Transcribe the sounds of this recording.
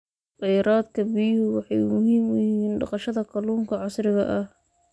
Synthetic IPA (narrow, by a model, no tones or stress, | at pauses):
qɑjɾaːd̪kʰɐbiːhwɑħɑjmʊɦiːmʊjiːnɖɑ̰qɑʃɐðɐkʰɐluːŋkʰɐʕɑsɾɪɣɐʔɐh